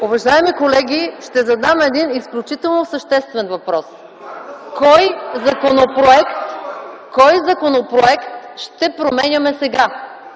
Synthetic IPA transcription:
ʊvɐʒaɛmikolɛɡʲiʃt̪ɛzɐd̪amɛd̪inisklʲut͡ʃit̪ɛlˠnosɐʃt̪ɛst̪vɛnvɐpɾɔs | kɔjzɐkonopɾoɛkt̪kɔjzɐkonopɾoɛkt̪ʃt̪ɛpɾomɛnʲɐmɛsɛɡa

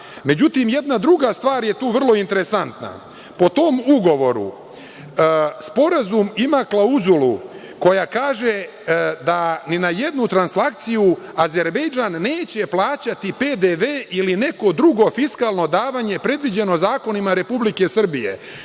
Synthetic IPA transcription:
me̞d͡ʑut̪imje̞d̪nad̪ɾuɡast̪ʋaːɾje̞t̪uːʋr̩lˠo̞int̪e̞ɾe̞sant̪na̰ | po̞t̪o̞muɡo̞ʋo̞ɾṵ | spo̞ɾazumimaklˠauzulu | ko̞jakaːʒe | d̪aninaje̞d̪nut̪ɾanslakt̪siju | aze̞ɾbe̞jd͡ʒaːnːe̞ːt͡ɕe̞plˠaːt͡ɕat̪ipe̞d̪eʋeːʔiline̞ko̞d̪ɾuɡo̞fiskaːlˠno̞d̪aːʋaɲe̞pɾe̞d̪ʋid͡ʑe̞no̞zaːko̞nimaɾe̞publike̞sr̩bijḛ

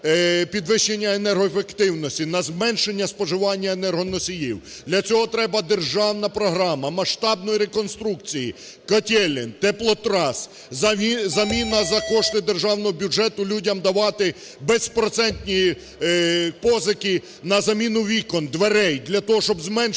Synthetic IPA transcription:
pʲid̪ʋɪʃenʲːɐenɛrɦɔefekt̪ɪwnɔsʲtʲinɐzmɛnʃenʲːɐspɔʒɪʋɑnʲːɐenɛrɦɔnɔsʲijiwd̪lʲɐt͡sʲɔɦɔt̪ɾɛbɐd̪erʒɑwnɐpɾɔɦɾɑmɐmɐʃt̪ɑbnɔjiɾekɔnst̪ɾuk̚t͡sʲiji | kɐtʲɛlʲɪnt̪ɛplˠɔt̪ɾɑs | zɐmʲinɐzɐkɔʃt̪ɪd̪erʒɑwnɔɦɔbʲud͡ʒɛt̪ʊlʲudʲɐmd̪ɐʋɑt̪ɪ | bɛspɾɔt̪sɛnʲt̪ʲnʲi | pɔzɐkɪ | nɐzɐmʲinʊʋʲikɔnd̪ʋeɾɛjd̪lʲɐt̪ɔɦɔʃt͡ʃɔbzmɛn

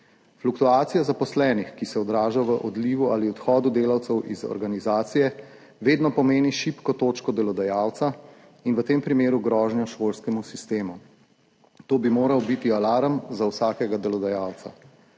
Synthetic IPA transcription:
flukt̪uaːt̪sijazapɔslɛːnixkisɛɔd̪ɾaːʒaʋəʔɔd̪liːʋuʔaliɔt̪xɔːd̪ud̪eːlawt̪sɛwʔizɔ̰ɾɡanizaːt̪sijɛ | ʋeːd̪nɔpɔmeːniʃipkɔt̪oːt͡ʃkɔd̪ɛlɔd̪ajawt̪sa | inʋət̪eːmpɾimeːɾuɡɾɔːʒnjɔʃoːlskɛmusist̪eːmu | t̪oːbimoːɾawbit̪ialaːɾəmzawsaːkɛɡad̪ɛlɔd̪ajaːwt̪sa̰

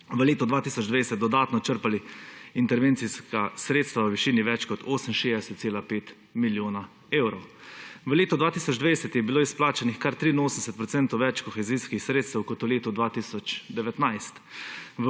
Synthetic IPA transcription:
ʋəleːt̪ɔd̪ʋaːt̪iːsɔd͡ʒd̪ʋajsɛt̪̚d̪ɔd̪aːt̪nɔt͡ʃəɾpaliint̪ɛɾʋeːnt̪siskasɾeːt̪st̪ʋaəʋiʃiːniʋɛt͡ʃkɔt̪ʰoːsənʃeːd̪ɛsɛt̪t̪seːlapeːt̪ | miljoːna | eːwɾɔwʋəleːt̪ɔd̪ʋaːt̪iːsɔd͡ʒd̪ʋajsɛt̪jɛbiloːisplaːt͡ʃanixkaɾt̪ɾinoːsəmsɛt̪pɾɔt̪sɛnt̪ɔwʋɛt͡ʃkɔxɛziːskixsɾeːt̪st̪ɛwkɔt̪ɔleːt̪ɔd̪ʋaːt̪isɔt͡ʃd̪ɛʋɛt̪najst̪ʋə

